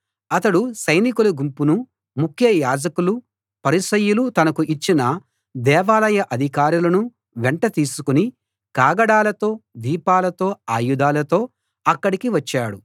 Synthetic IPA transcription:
ɐt̪ɐɽusɐjnikulɐɡumpunu | mukʰjɐjaːd͡ʒɐkulu | pɐɾisɐjulut̪ɐnɐkuʔit͡ʃːinɐ | d̪ɛːʋaːlɐjɐʔɐd̪ʱikaːɾulɐnu | ʋeɳʈɐt̪iːsukuni | kaːɡɐɽaːlɐt̪o̞ːd̪iːpaːlɐt̪o̞ːaːjud̪aːlɐt̪o̞ː | ɐkːɐɽikiʋɐt͡ʃːaːɽu

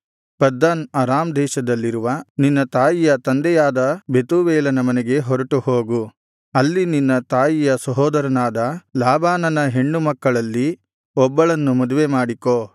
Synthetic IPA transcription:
pɐd̪ːɐnɐɾaːmd̪ɛːʃɐd̪ɐlːiɾuʋɐninːɐt̪aːjijɐt̪ɐnd̪ɛjaːd̪ɐbe̞t̪uʋɛːlɐnɐmɐnɛɡe̞ɦɔɾɐʈuhoːɡu | ɐlːininːɐt̪aːjijɐsɐɦɔːd̪ɐɾɐnaːd̪ɐlaːbaːnɐnɐɦe̞ɳːumɐkːɐɭɐlːi | ɔbːɐɭɐnːumɐd̪uʋemaːɽikoː

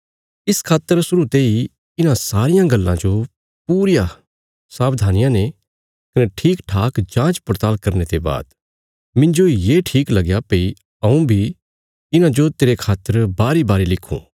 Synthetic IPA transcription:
ɪskʰaːt̪ːəɾsʊɾut̪ei | ɪnãsaːɾɪjãɡɐlːã̰d͡ʒo | puːɾɪja | saːbd̪ʱaːnɪjãne | kɐneʈʰiːkʈʰaːkd͡ʒãːt͡ʃpɾt̪aːlkɐɾnet̪eba̰ːd̪ | mɪ̃nd͡ʒoijeːʈʰiːklɐɡjapei | ɐũbʱi | ɪnãd͡ʒot̪eːɾekʰaːt̪ːəɾbaːɾibaːɾilɪkʰːṵ̃ː

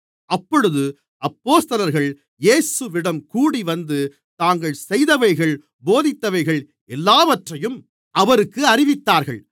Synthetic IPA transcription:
ɐpːɔɽɯðɯ | ɐpːoːst̪ɐlɐɾɣɐɭ | jeːsɯʋɪɽɐmkuːɽiʋɐnd̪ɯ | t̪aːŋɡɐɭsɛjðɐʋɐɪɣɐɭ | boːðɪt̪ːɐʋɐɪɣɐɭ | ɛlːaːʋɐʈrɐjɯm | ʔɐʋɐɾɯkːɯɐrɪʋɪt̪ːaːɾɣɐ̰ɭ

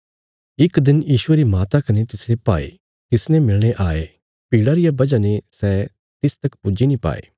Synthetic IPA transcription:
ɪkd̪ɪnjiːʃʊeɾimaːt̪akɐnet̪ɪsɾepaːḛ | t̪ɪsnẽmɪlɽ̃eʔaːe | piːɽaɾɪjabɐd͡ʒanesɛ | t̪ɪst̪ɐkpʊd͡ʒinĩpa̰ːḛː

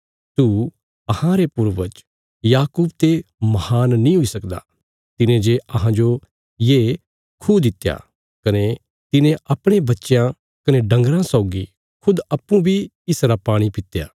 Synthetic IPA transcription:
t̪u | ɐhãɾepʊɾʋət͡ʃ | jaːkuːbt̪emɐhaːnːĩɦʊisɐkd̪a̰ | t̪ɪnẽd͡ʒeɐɦãd͡ʒo | jeː | kʰud̪ɪt̪ːja̰ː | kɐne | t̪ɪnẽʔɐpɽ̃ebɐtːʃjã | kɐneɖɐ̃ŋɡɾãsɔʊɡi | kʰʊd̪ɐpːũbʱi | ɪsɾapaːɽ̃ipɪt̪ja̰ː

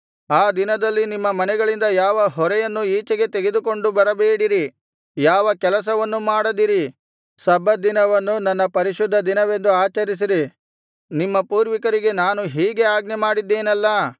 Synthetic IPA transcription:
aːd̪inɐd̪ɐlːinimːɐmɐnɛɡɐɭind̪ɐjaːʋɐɦɔɾɛjɐnːuiːt͡ʃɐɡe̞t̪e̞ɡe̞d̪uko̞ɳɖubɐɾɐbeːɽiɾi | jaːʋɐkɛlɐs̬ɐʋɐnːumaːɽɐd̪iɾi | sɐbɐd̪inɐʋɐnːunɐnːɐpɐɾiʃud̪ʱːɐd̪inɐʋe̞nd̪uaːt͡ʃɐɾis̬iɾi | nimːɐpuːɾʋikɐɾiɡe̞naːnuɦiːɡe̞aːɡnɛmaːɽid̪ːeːnɐlːɐ

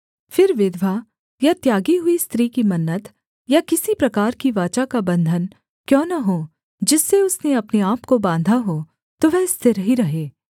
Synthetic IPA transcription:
fɪɾʋɪd̪ʱʋa | jat̪jaːɡiɦʊist̪ɾiːkimɐnːət̪ | jakɪsipɾɐkaːɾkiʋaːt͡ʃakabɐ̃nd̪ʱən | kjɔ̃ːnɐɦoː | d͡ʒɪsːeʊsneɐpneaːpkobãːnd̪ʱaɦo | t̪oʋɛst̪ʰɪɾɦiɾɐɦeː

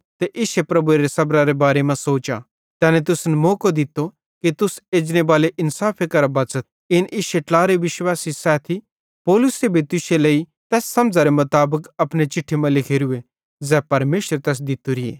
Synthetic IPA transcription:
t̪eʔɪʃepɾɐbueɾesɐbɾaɾebaːɾemãsoːt͡ʃa̰ | t̪ɛːnɛt̪ʊsnmoːkod̪ɪt̪ːo | kit̪ʊseːd͡ʒnebaːleʔɪnsaːpʰekɐɾabɐt͡sət̪̚ | ɪnʔɪʃeʈlaːɾeʋɪʃwaːsisɛːt̪ʰi | pɔːlʊsebʱit̪ʊʃelei | t̪ɛːsːɐmd͡zaɾemʊt̪aːbəkɐpñet͡ʃɪʈʰːemãlɪkʰeɾʊe | zɛːpɐɾmeːʃəɾt̪ɛːs̬d̪ɪt̪uɾɪḛː

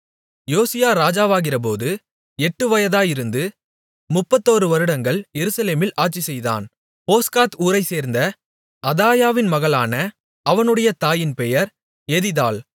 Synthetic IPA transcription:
joːsɪjaːɾaːd͡ʒaːʋaːɣɪrɐp̬oːðɯ | ɛʈːɯʋɐjɐðaːjɪɾɯnd̪ɯ | mʊpːɐt̪ːoːɾɯʋɐɾɯɽɐŋɡɐɭjɛɾɯsɐleːmɪlʔaːʈ̚t͡ʃisɛjða̰ːn | poːskaːt̪uːɾɐɪseːɾnd̪ɐ | ʔɐðaːjaːʋɪnmɐɣɐɭaːnɐ | ɐʋɐnɯɽɐjɐt̪aːjɪnpɛjɐɾ | ɛðɪðaːɭ

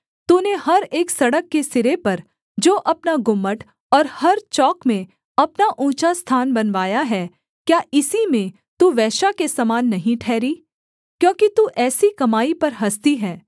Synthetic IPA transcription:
t̪uːnehɐɾeːksɐɽəkːesɪɾepɐɾ | d͡ʒoːʔɐpnaɡʊmːəʈ | ɔːɾhɐɾt͡ʃɔːkmẽ | ɐpnaʔũːt͡ʃast̪ʰaːnbɐnʋaːjaɦɛː | kjaːɪsimẽ | t̪uʋɛːʃakesɐmaːnːɐɦĩʈʰɛːɾiː | kjõːkit̪uʔɛːsikɐmaːipɐɾɦɐst̪iɦɛː

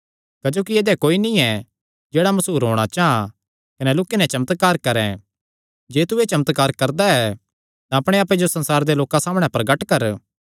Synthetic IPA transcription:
kɐd͡ʒoːkieːd̪ɛkoːinĩɛ | d͡ʒeːɽamɐsuːɾɦõ̰ːɽ̃at͡ʃaɦã̰ | kɐnɛloːkːenɛ̃t͡ʃɐmət̪kaːɾkɐɾɛ̃ | d͡ʒeːt̪uet͡ʃɐmət̪kaːɾkɐɾd̪aɛ | t̪ãɐpɽ̃eaːp̬ed͡ʒosɐ̃nsaːɾd̪eloːkãsaːmɽ̃ɛ̃pɾɐɡəʈkɐɾ

